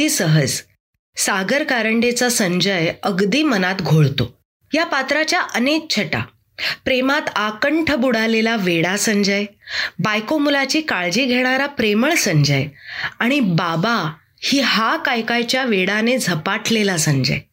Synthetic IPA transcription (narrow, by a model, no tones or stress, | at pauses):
iːsəɦəd͡z | saɡəɾkaɾəɳɖet͡sasəɲd͡ʑəjəɡd̪iːmənat̪ɡʱoɭt̪o | japat̪ɾat͡ɕjaʔənek̚t͡ɕʰəʈa̰ | pɾemat̪akəɳʈʰəbuɽ̤alelaʋeɽasəɲd͡ʑəjbajkomulat͡ɕiːkaɭd͡ʑiːɡʱeɽ̃aɾapɾeməɭsəɲd͡ʑəjaɽ̃ibaba | hiːɦakajkajt͡ɕjaʋeɽaned͡zʱəpaʈʰlelasəɲd͡ʑə̰j